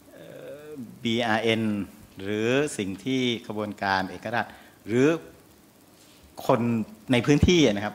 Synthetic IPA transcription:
ʔɤː˨˧˩biː˧ʔaː˧ʔe˧nɾɯː˩˦si˨˩ŋt̪ʰiː˥˩kʰa˧bu˧ənkaː˧nʔeː˨˩k̚ːa˧ɾa˨˩t̪̚ | ɾɯː˩˦ | kʰo˧nna˧jpʰɯː˦˥nt̪ʰiː˥˩a˨˩na˦˥kʰa˦˥p̚

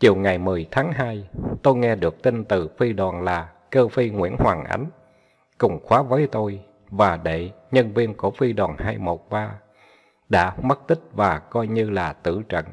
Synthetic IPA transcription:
t͡ɕi˨˩əwŋa˨˩jmɨ˨˩əjt̪ʰaː˨˦ŋɦaː˧jt̪o˧jŋɛ˧ɗɨ˨˩ək̚t̪i˧nt̪ɨ˨˩fi˧ɗwaː˨˩nlaː˨˩ | kəː˧fi˧ŋwḭ˧˥ənhwaː˨˩ŋʔa̰˨˦jŋ̟ | kʊ˨˩ŋ͡mxwaː˨˦vəː˨˦jt̪o˧j | vaː˨˩ɗḛ˧˨ɲə˧nvi˧ənku˧˩əfi˧ɗwaː˨˩nhaː˧jmo˨˩t̚ɓaː˧ | ɗa̰ː˧˥mə˦˥t̚t̪ï˦˥k̟̚vaː˨˩kɔ˧jɲɨ˧laː˨˩t̪ɨ̰˧˨t͡ɕə̰˧˨ŋ

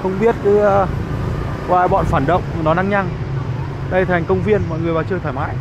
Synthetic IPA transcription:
xə˧wŋ͡mɓi˦˥ət̚kɨ˨˦˧ | kwaː˨˩jɓɔ̰˧˨nfaː˧˩nɗə̰˧˨wŋ͡mnɔ˨˦na˧ŋɲa˧ŋ | ɗə˧jt̪ʰa˨˩jŋ̟kə˧wŋ͡mvi˧ənmɔ̰˧˨jŋɨ˨˩əjɓaː˨˩t͡ɕɨː˧˩jt̪ʰaː˧˩jma̰ː˧˨j

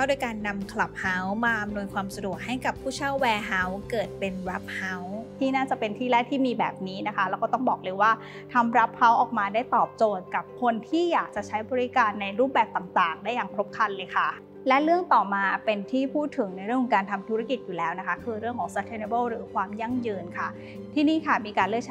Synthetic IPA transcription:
a˥˩du˥˩jkaː˧nːa˧mkʰla˨˩p̚ha˦˥wmaː˧ʔa˧mnu˧jkʰwaː˧msa˧du˨˩ək̚ha˥˩jka˨˩pʰːuː˥˩t͡ɕʰa˥˩wːɛː˧ɦa˦˥wkɤː˨˩t̪̚pe˧nɾa˦˥p̚ha˦˥wt̪ʰiː˥˩naː˥˩t͡ɕa˨˩pe˧nt̪ʰiː˥˩lɛː˥˩jt̪ʰiː˥˩miː˧bɛ̰ː˨˩p̚niː˦˥na˦˥kʰa˦˥lɛː˧˦˥kɔː˥˩t̪ɔ˥˩ŋbɔː˨˩k̚lɤː˧jwaː˥˩ | t̪ʰa˧mɾa˦˥p̚ha˦˥wʔɔː˨˩k̚maː˧daː˥˩jt̪ɔː˨˩p̚t͡ɕoː˨˩t̪̚ka˨˩p̚kʰo˧nt̪ʰiː˥˩jaː˨˩k̚t͡ɕa˨˩t͡ɕʰa˦˥jbɔː˧ɾi˦˥kaː˧nːa˧jɾuː˥˩p̚bɛː˨˩p̚t̪a˨˩ŋt̪aː˨˩ŋdaː˥˩jːaː˨˩ŋpʰɾo˦˥p̚kʰa˧llɤː˧jkʰa˥˩ | lɛ˦˥lɯ˥˩əŋt̪ɔː˨˩maː˧pe˧nt̪ʰiː˥˩pʰuː˥˩t̪ʰːɯ˨˩˦ŋna˧jɾɯ˥˩əkʰɔ˨˦ŋkaː˧nt̪ʰa˧mt̪ʰu˦˥ɾa˥˩ki˨˩t̪̚juː˨˩lɛː˦˥wna˦˥kʰa˦˥kʰɯː˧ɾɯ˥˩əŋkʰɔː˩˦ŋsa˧˥t̪ʰe˧ne˧bɤ˥˩wɾɯː˩˦kʰwaː˧mja˥˩ŋjɯː˧nkʰa˥˩ | t̪ʰiː˥˩niː˦˥˩kʰa˥˩miː˧kaː˧nlɯ˥˩k̚t͡ɕʰ

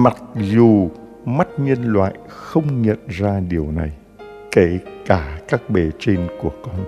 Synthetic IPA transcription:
ma˨˩k̚zu˨˩ | ma˦˥t̚ɲə˧nlwa̰ː˧˨j | xə˧wŋ͡mɲə̰˧˨nzaː˧ɗi˨˩əwna˨˩j | ke˧˩kaː˧˩kaː˦˥k̚ɓe˨˩t͡ɕe˧nku˧˩əkɔ˧n

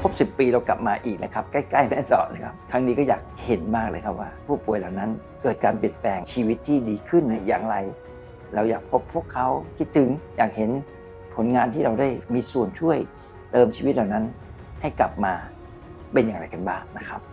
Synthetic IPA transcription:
pʰo˦˥p̚si˨˩pːiː˧ɾa˧wka˨˩p̚maː˧ʔiː˨˩k̚na̰˦˥kʰa˦˥p̚ka˥˩jkla˥˩jmɛː˥˩sɔ̰ː˨˩p̚na˦˥˩kʰa˦˥p̚kʰɾa˦˥ŋniː˦˥kɔː˥˩jaː˨˩k̚he˩˦nmaː˥˩k̚lɤː˧˩jkʰa˦˥p̚wa̰ː˥˩pʰuː˥˩pu˨˩əjla˨˩wna˦˥n | kɤː˨˩t̪̚kaː˧npi˨˩ənplɛː˧ŋt͡ɕʰiː˧wi˦˥t̪ʰːiː˥˩diː˧kʰɯ˥˩nːa˦˥jaː˨˩ŋɾa˧j | ɾa˧wjaː˨˩k̚pʰo˦˥pʰːu˥˩əkʰːa˦˥wkʰi˦˥t̪ʰːɯ˩˦ŋjaː˨˩k̚he˩˦n | pʰo˩˦nŋaː˧nt̪ʰiː˥˩ɾa˧wda˥˩jmiː˧su˨˩ənt͡ɕʰu˥˩əj | t̪ɤː˧mt͡ɕʰiː˧wt̪̚laː˨˩wna˦˥n | ha˥˩jkla˨˩p̚maː˧ | pe˧njaː˨˩ŋɾa˧jka˧nbaː˥˩ŋna˦˥kʰa˦˥p̚

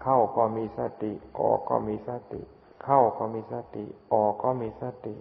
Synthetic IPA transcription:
kʰa˥˩wkɔː˧˩miː˧˥˨sa˧˩t̪i˨˩ʔɔ̰ː˨˩kɔ̰ː˧˩miː˧˨sa˧˩t̪ḭ˨ | kʰa˥˩wkɔː˧˩miː˧˥˨sa˧˩t̪i˨˩ʔɔː˨˩kɔː˥˩miː˧saː˧˥˩t̪i˨

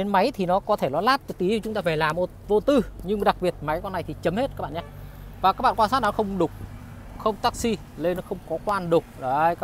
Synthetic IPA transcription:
ɗe˨˦nma˨˦jt̪ʰi˨˩nɔ˨˦kɔ˨˦t̪ʰe˧˩lɔ˨˦laː˦˥t̚ɨ˨˩t̪i˨˦˨t͡ɕʊ˨˦ŋ͡mt̪aː˧faː˧˩laː˨˩mːo˨˩t̚vo˧t̪ɨ˧ɲɨ˧ŋɗa˨˩k̚ɓi˨˩ət̚ma˨˦jkɔ˧nːa˨˩jt̪ʰi˨˩t͡ɕə˨˦mhe˦˥t̚kaː˦˥ɓa̰ː˧˨ɲaː˧ | vaː˨˩kaː˦˥k̚ɓa̰ː˧˨kwaː˧nsaː˦˥nɔ˨˦xə˧wŋ͡mɗʊ˨˩k͡p̚ | xə˧wŋ͡mt̪aː˦˥k̚si˧ | le˧nɔ˨˦xə˧wŋ͡mkɔ˨˦kwaː˧nɗʊ˨˩k͡p̚ɗjka˦

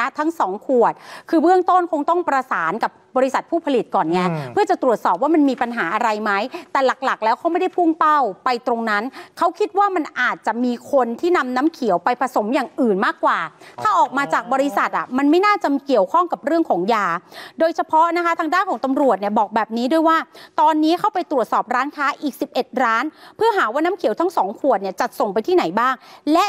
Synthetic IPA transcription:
t̪ʰa˦˥ŋsɔː˩˦ŋkʰu˨˩ət̪̚kʰɯː˧bɯ˥˩əŋt̪o˥˩nkʰo˧ŋt̪ɔ˥˩ŋpɾa˧saː˩˦nka˨˩p̚bɔː˧ɾi˦˥sa˨˩t̪̚pʰuː˥˩pʰa˧li˨˩t̪̚kɔː˨˩nːi˦˥ɐpʰɯ˥˩t͡ɕa˨˩t̪ɾu˨˩ət̪̚sɔː˨˩p̚waː˥˩ma˧nmiː˧pa˧nɦaː˩˦ʔa˧ɾa˧jma˦˥jt̪ɛː˨˩la˨˩k̚la˨˩k̚lɛː˦˥wkʰa˦˥wma˥˩jda˥˩jpʰu˥˩ŋpa˥˩wpa˧jt̪ɾo˧ŋna˦˥nkʰa˦˥wkʰi˦˥t̪̚waː˥˩ma˧nʔaː˨˩t̪̚t͡ɕa˨˩ʔmiː˧kʰo˧nt̪ʰiː˥˩na˧mna˦˥mkʰi˩˦əwpa˧jpʰa˧so˩˦mjaː˨˩ŋʔɯː˨˩nmaː˥˩kːwaː˨˩t̪ʰaː˥˩ʔɔː˨˩k̚maː˧t͡ɕaː˨˩k̚bɔː˧ɾi˧˦˥sa˨˩t̪̚ʔa̰˨˩ma˧nma˥˩jnaː˥˩t͡ɕa˨˩mi˧ki˨˩əwkʰɔ˥˩ŋka˨˩p̚ɾɯ˥˩əŋkʰɔː˩˦ŋjaː˧doː˧jt͡ɕʰa˧pʰɔ˦˥na˦˥kʰa˦˥t̪ʰaː˧ŋdaː˥˩nkʰɔː˩˦ŋt̪a˧mɾu˨˩ət̪̚ni˥˩əbɔː˨˩k̚bɛː˨˩p̚niː˦˥du˧˥əjwaː˥˩t̪ɔː˧nːiː˦˥kʰa˥˩wpa˧jt̪ɾu˨˩ət̪sɔː˨˩p̚ɾaː˦˥nkʰaː˦˥ʔiː˨˩k̚si˨˩p̚ʔe˨˩t̪̚ɾaː˦˥npʰɯ˥˩əɦaː˩˦waː˥˩naː˦˥mkʰi˨˩˦wt̪ʰa˦˥ŋsɔː˩˦ŋkʰu˨˩ət̪̚ni˥˩ət͡ɕa˨˩t̪̚so˨˩ŋp̬a˧jt̪ʰiː˥˩na˩˦jbaː˥˩ŋlɛ˦˥ʔ

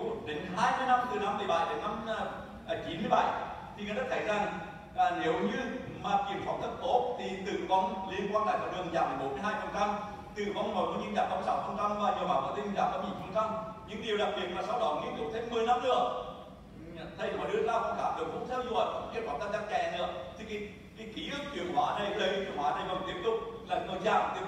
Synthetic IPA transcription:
ɗe˨˦nɦaː˧jmɨ˧əjna˧mt̪ɨ˨˩na˧mɨ˨˩jɓa˨˩jɗe˨˦nːa˧mː˧˨˩ | t͡ɕi˨˦nmɨ˧əjɓa̰˧˩jt̪ʰi˨˩ŋaː˨˩zə˦˥t̚t̪ʰə˨˦jza˨˩ŋː˨˩ | ne˨˦wɲɨ˧maː˨˩ki˨˩əmfɔ˨˧˩wŋ͡mt̪ə˦˥k̚t̪o˦˥t̚t̪ʰi˨˩t̪ɨ̰˧˨vɔ˧wŋ͡mli˧ənkwaː˧nɗa̰ː˧˨jkɔ˧˩ɗɨ˨˩əŋzaː˧˨˩m˨˩ɓo˨˦nmɨ˧jɦaː˧jfə˨˩nt͡ɕa˧m | t̪ɨ̰˧˨vɔ˧wŋ͡mno˨˩jɗ̪u˧ɲi˧nɗaː˨˩kɔ˧˨˦mː˧sa˨˦wfə˧˩nt͡ɕa˧mvaː˨˩zə˨˩maː˨˩wkɔː˨˧˦t̪i˧˩ɗaː˨˩kːɔː˨˦ɲḭ˨˧˩nfə˧˩nt͡ɕa˧mɲɨ̰˧˥ŋɗi˨˩əwɗa˨˩k̚ɓi˨˩ət̚maː˨˩saː˨˦wɗɔ̰˧˩nŋi˧˦əntʊ̰˨˧˩k͡p̚t̪ʰe˨˧˦mːɨ˨˩əjna˧mɗɨ̰˧˥ə˨ | t̪ʰa˧jɔ˨˧˩ɗɨ˨˧˥əlaː˧wkɔ˧˩ŋ͡mkaː˧˩ɗɨ˨˩ək̚kʊ̰˧˥ŋ͡m̚sʰa˧zwə̰˨˩j̚kɔ̰˧˦ŋ͡mki˧əw̚fa˨˧˩ŋ͡mt̪aː˧˩t͡ɕa˧˩t͡ɕɛ˧˩nɨ˧˦ət̪ʰi˨˩ki˨˦ | ka˨˦ki˨˦ʔɨ˦˥k̚t͡ɕḭ˧˨˩əŋɦwaː˧˩˦nə˨˩jlə˨˦jt͡ɕi˧˩˨əŋhaː˧˦nə˨˩jkə˨˩nt̪i˦˥əp̚t̪ʊ˨˩k͡p̚laː˨˩jkɔ˧˩zaː˧˩mi˧˩

